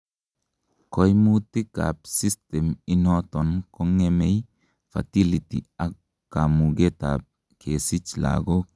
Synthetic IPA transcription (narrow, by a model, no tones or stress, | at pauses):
kɔjmutika̰psistɛminɔtɔnkoŋemej | fa̰tilitḭakː | amuɡeta̰p̚ | kʰesit͡ʃla̰ɡo